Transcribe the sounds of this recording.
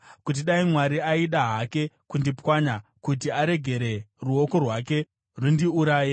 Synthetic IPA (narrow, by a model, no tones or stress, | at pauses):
kut̬iɗaimwaɾiaiɗaɦake̞kundipwaɲakut̬iaɾe̞ɡʱe̞ɾe̞ruo̞ko̞rwake̞ | rundiuɾaːje